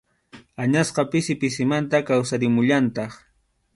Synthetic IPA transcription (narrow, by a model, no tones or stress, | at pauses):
aɲasqɑpɪsɪpɪs̬ɪmant̪akawsaɾɪmʊʎant̪ɑχ